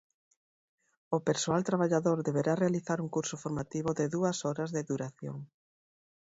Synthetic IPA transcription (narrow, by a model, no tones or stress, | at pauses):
ʊpeɾsoalt̪ɾaβaʎaðoɾðeβeɾarealiθaɾuŋkuɾsʊfoɾmat̪iβoðeðuɐsɔɾɐzðeðuɾaθjo̰ŋ